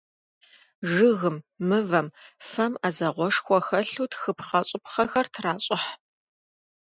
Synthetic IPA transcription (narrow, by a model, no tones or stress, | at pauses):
ʐɨɣɨmːɨvɐmfɐmaːzɐʁʷɔʂxʷɔxɐɬuːtxɨpχɐɕʼɪpχɐxɐrtʰraːɕʼɪħ